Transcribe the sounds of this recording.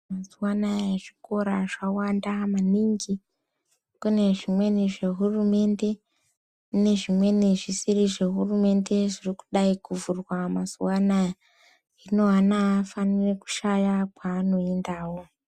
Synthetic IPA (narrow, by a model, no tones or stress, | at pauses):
mazuwanajaʐiko̞ɾaʐawandamaniŋɡi | kune̞ʐimwe̞niʐe̞ɦurume̞nde̞ | ne̞ʐimwe̞niʐisiriʐe̞ɦurume̞nde̞ʐiriku̥ɗaikuvurwamazuwanaja | ino̞anafanireku̥ʃajakwaːno̞endaːwo̞